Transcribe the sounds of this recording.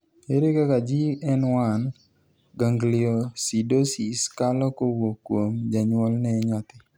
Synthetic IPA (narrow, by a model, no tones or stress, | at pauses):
eɾekakad͡ʒiɛnwan | ɡaŋɡlɪɔsidosiskalɔkowokwomd͡ʒaɲwɔlnɛɲat̪ɪ